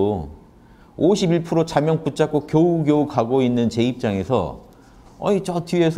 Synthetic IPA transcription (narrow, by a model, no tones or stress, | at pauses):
oɕʰibiɭpʰɯɾot͡ɕamjʌŋput͡ɕ͈ak͈okjouɡjoukaɡoinːɯnt͡ɕe̞ip̚t͡ɕ͈aŋe̞sʰʌ̰ | ʌ̰it͡ɕʌtiesʰ